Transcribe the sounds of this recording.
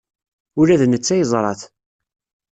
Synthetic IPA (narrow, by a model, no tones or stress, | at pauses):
ʊɾæðnət͡sːæjəzˤɾˤɑ̰θ